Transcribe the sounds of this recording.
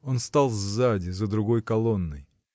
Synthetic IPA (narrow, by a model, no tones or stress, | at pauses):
o̞nst̪alˠvzadʲɪzəd̪ɾʊɡo̞jkɐlˠo̞nːɨj